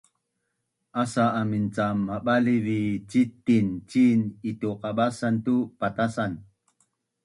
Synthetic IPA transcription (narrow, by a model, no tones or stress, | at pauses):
ʔasaːmint͡samːaɓalivit͡ʃit̪ːint͡ʃinituqaɓasantupat̪asan